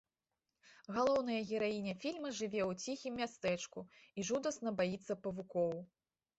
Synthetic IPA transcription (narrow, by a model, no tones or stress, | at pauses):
ɣalˠɔwnɐjɐɣʲɛɾajinʲɛfʲilʲmɐʐɨvʲɛwt͡sʲixʲimːʲast̪ɛt͡ʂkuiʐud̪ɐsnɐbajit̪sːɐpɐvukɔw